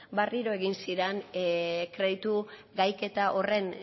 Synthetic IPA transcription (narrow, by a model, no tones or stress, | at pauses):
bariɾo̞e̞ɣinsiɾenkɾe̞ðit̪uɡajke̞t̪aʔo̞re̞n